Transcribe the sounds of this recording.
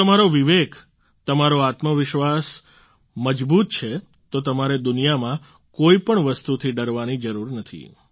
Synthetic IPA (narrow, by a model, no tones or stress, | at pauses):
əmaɾoʋiʋek | t̪əmaɾoat̪məʋɪʃʋas | məd͡ʒbut̪̚t͡ʃʰe | t̪ot̪əmaɾed̪unijamã | koipəɳʋəst̪ut̪ʰiɖəɾʋanid͡ʒəɾuɾnət̪ʰḭ